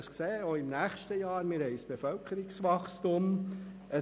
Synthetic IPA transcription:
skseːoɪmnæːχʃtəjɑːɾmɪɾhɛɪsb̥efœlkʰəɾɪksʋɑχstʊm | ə

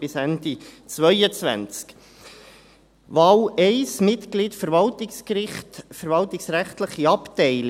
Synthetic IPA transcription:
ɪsændit͡sʋœjət͡svæ̰nt͡sk | ʋɑːwɛɪsmɪt̪klitfəɾʋɑltɪkskɾɪχt̪fəɾvɑltɪksɾæχtləχiɑptɛɪl

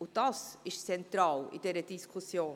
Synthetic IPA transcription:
ud̪asɪʃt͡sɛnt̪ɾaːwḭd̪ɛɾəd̪iskʰusjoː

